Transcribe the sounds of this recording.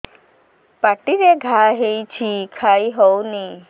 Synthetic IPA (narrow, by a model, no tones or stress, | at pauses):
paʈiɾeɡʱaɦejt͡ʃʰikʰajɦɔwni